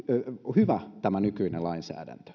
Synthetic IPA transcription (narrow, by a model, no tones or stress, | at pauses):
hyʋæt̪æmænykyinḛlɑinsæ̰ːdæ̰nt̪ø̥